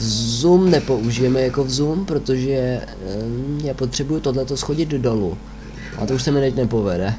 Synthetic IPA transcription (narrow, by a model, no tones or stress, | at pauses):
zumnɛpo̞uʒɪjɛmɛjako̞vzumpɾo̞t̪o̞ʒɛ | ɲɛpo̞t̪r̝̥ɛbujut̪o̞dlɛt̪osxo̞ɟɪd̪do̞lṵ | ʔa̰t̪ouʃsɛmɪt̪ɛcnɛpo̞vɛdɛ